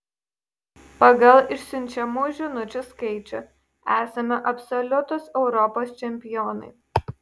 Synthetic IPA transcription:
pɐɡɐlˠɪʃʲsʲʊnʲt͡ʃʲɛmuːʒʲɪnʊt͡ʃʲʊskɐɪt͡ʃʲʊ | æːsɐmʲɛʔɐpʲsɔlʲʊt̪ʊsɛʊɾɔpoːst͡ʃʲɛmʲpʲɪjɔːnɐ̰ɪ

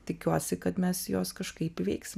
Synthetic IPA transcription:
t̪ʲɪkʲuɔsʲɪkɐt̪mʲɛsjoːskɐʃkɐɪpɪʋʲɛɪksʲɪm

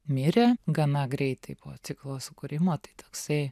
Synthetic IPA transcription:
mʲɪɾʲeɡɐnɐɡɾʲɛɪt̪ɐɪpoːt̪sʲɪklˠoːsʊkʊɾʲɪmoːt̪ɐɪt̪oːksɐɪ

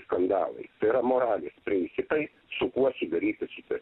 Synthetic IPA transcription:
skɐnd̪ɑ̰ːlˠɐ̰ɪt̪ɐɪɪɾɐmoːɾɑːlʲeːspʲɾʲɪnʲt̪sʲɪpɐɪ | sʊkuɔsʲɪd̪ɐɾʲiːt̪ʲɪʃʲɪt̪ɐ

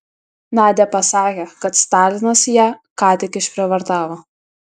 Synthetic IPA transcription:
nɑːd̪ʲɛpɐsɑːkʲekɐt̪st̪ɑːlʲɪnɐsjæːkɑːt̪ʲɪkʲɪʃʲpʲɾʲɛʋɐɾt̪ɑːʋo

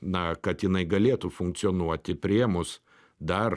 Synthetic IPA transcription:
nɐkɐt̪jɪnɐɪɡɐlʲeːt̪ʊfʊŋk̪̚sʲɪɔːnuɔt̪ʲɪpʲɾʲiɛmʊs | d̪ɐr

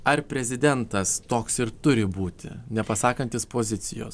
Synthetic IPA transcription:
ɐɾpʲɾʲɛzʲɪd̪ʲɛnt̪ɐst̪oːksɪɾt̪ʊɾʲɪbuːt̪ʲɪ̰nʲɛpɐsɑːkɐnʲt̪ʲɪspoːzʲɪt̪sʲɪjo̰ːs

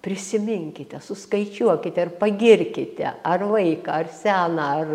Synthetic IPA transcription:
pʲɾʲɪsʲɪmʲɪŋʲkʲɪt̪ʲɛsʊskɐɪt͡ʃʲuɔkʲɪt̪ʲɛɐrpɐɡʲɪrʲkʲɪt̪ʲɛ̰ʔɐrʋɐɪkɑːɐrsʲæːnɑɐr

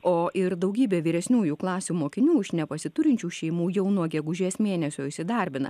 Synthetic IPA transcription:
oːʔɪɾd̪ɐʊɡʲiːbʲeːʋʲiːɾʲɛsʲnʲuːjuːklˠɑːsʲuːmoːkʲɪnʲuːɪʃnʲɛpɐsʲɪt̪ʊɾʲɪnʲt͡ʃʲuːʃʲɛɪmuːjɛʊnuɔɡʲɛɡʊʒʲeːsmʲeːnʲɛsʲoːɪʃʲsʲɪd̪ɐˑɾʲbʲɪnɐ̰

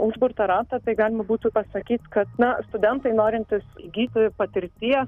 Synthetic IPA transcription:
ʊʒbʊɾt̪ɐɾɑːt̪ɐt̪ɐɪɡɑːlʲɪmɐbuːt̪ʊpɐsɐkʲiːt̪kɐt̪nɐst̪ʊd̪ʲɛnt̪ɐɪnoːɾʲɪnʲt̪ʲɪsɡʲiːt̪ʲɪpɐt̪ʲɪɾʲt̪ʲiɛs

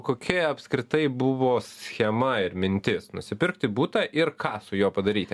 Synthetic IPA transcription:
koːkʲɛɐpskɾʲɪt̪ɐɪbʊʋoːsʲxʲɛmɐɪɾmʲɪnʲt̪ʲɪsnʊsʲɪpʲɪɾkt̪ʲɪbuːt̪ɑʔɪɾkɑːsʊjoːpɐd̪ɐɾʲiːt̪ʲɪ

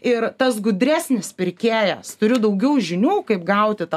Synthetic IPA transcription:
ɪɾt̪ɐsɡʊd̪ʲɾʲæːsʲnʲɪspʲɪɾʲkʲeːjɛst̪ʊɾʲʊd̪ɐʊɡʲɛʊʒʲɪnʲuːkɐɪp̚ɡɐʊt̪ʲɪt̪

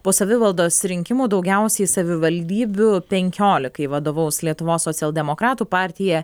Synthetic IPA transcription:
poːsɐʋʲɪʋɐlˠd̪oːssɾʲɪŋʲkʲɪmuːd̪ɒʊɡʲɛʊsʲɛɪsɐʋʲɪʋɐlʲd̪ʲiːbʲʊpʲɛŋʲkʲoːlʲɪkɐɪʋɐd̪oːʋɐʊslʲiɛt̪ʊʋoːsːoːt̪ʲɪɛlˠd̪ʲɛmokɾɑːt̪uːpɑːˑɾʲt̪ʲɪjɛ

